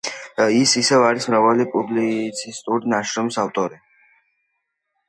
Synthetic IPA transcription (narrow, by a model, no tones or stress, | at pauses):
isisɛvaɾismɾavalipʼublit̪sʰist̪ʼuɖinaʃɾɔmsavt̪ʼɔɾi